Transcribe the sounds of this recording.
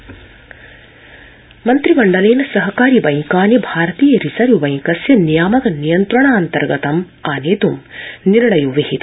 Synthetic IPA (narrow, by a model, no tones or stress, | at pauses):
mɐnt̪ɾibɐɳɖɐleːnɐsɐɦɐkaːɾibɐjkaːnjibʱaːɾɐt̪iːjɐɾisɐɾjuʋɐj̃ŋkɐsjɐnijaːmɐkɐnijɐnt̪ɾɐɳaːnt̪ɐɾɡɐt̪ɐm | aːneːt̪umniɾɳɐjuʋiɦit̪